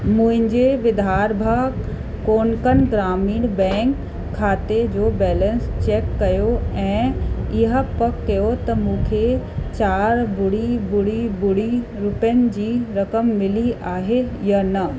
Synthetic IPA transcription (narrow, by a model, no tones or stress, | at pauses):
mũːɦɪ̃ɲd͡ʑeʋɪd̪ʱɦaːɾbʱa | koːnkənɡɾaːmiːɽ̃bɛ̃ːŋkʰː | aːt̪ed͡ʑoːbɛːlə̃nst͡ɕɛːkːɐjoɛ̃ːɪɦapɐkːɐjot̪ɐmũːkʰe | t͡ɕaːɾbʊɽibʊɽibʊɽi | ɾʊpjənɪ̆d͡ʑiːɾɐkəmːɪliaːɦejɐnɐ